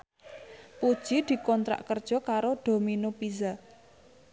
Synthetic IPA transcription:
pud̥ʒ̥id̪̥i̤kɔnt̪ɾa̰ʔkərd̥ʒ̥ɔ̤kaɾoɖ̪̥o̤minopiza

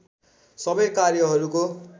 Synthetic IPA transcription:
sʌbʌjkarjʌɦʌɾuko

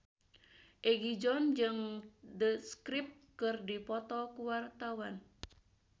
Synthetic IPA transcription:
ʔeɡid͡ʒɔnd͡ʒɨŋdəskɾip̚ | kɨrdipɔt̪ɔkuwart̪awan

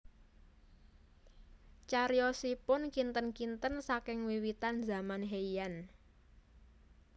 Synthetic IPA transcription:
t͡ʃaɾjɔsipʊnkint̪ənkint̪ənsakɪŋwiwit̪anza̤manɦeijan

